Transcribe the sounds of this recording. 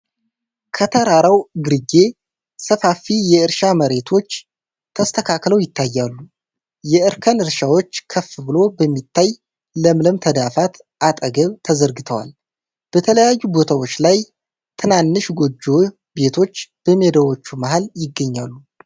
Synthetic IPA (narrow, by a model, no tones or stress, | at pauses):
kʰət̪ʰəɾaɾawɡɨɾɨɡe̞ | səfafijɛɨɾʃaməɾe̞t̪ʰo̞t͡ʃː | t̪ʰəst̪ʰəkʰakləwjɪt̪ʰːajːalːu | jɛʔɨɾkʰənɨɾʃawo̞t͡ʃːkʰəfɨbɨlo̞bəmːit̪ʰːaj | ləmləmt̪ʰəd̪afat̪ | ʔat̪ʼəɡəβt̪ʰəzəɾɡɨt̪ʰəwa̰l | b̥ət̪ʰələjajːubo̞t̪ʰawo̞t͡ʃːlaj | t̪ʰɨnanːɨʃɡo̞d͡ʒːo̞ | be̞t̪ʰo̞t͡ʃːb̥əmed̪əwo̞t͡ʃːumahaljɪɡːəɲːalːu